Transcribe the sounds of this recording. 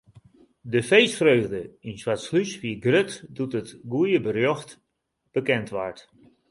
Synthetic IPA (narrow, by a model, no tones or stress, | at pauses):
dəfejsfrøːɣdəinswatslysfiəɡrøtdutətɡujəbərjɔxt | b̥əkɛntʋa̰rt